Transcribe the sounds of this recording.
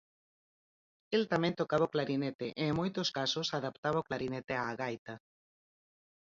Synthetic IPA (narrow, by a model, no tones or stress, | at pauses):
elt̪amẽnt̪okaβaoklaɾinet̪eʔeŋmojt̪oskasosaðapt̪aβaoklaɾinet̪eaːɣajt̪a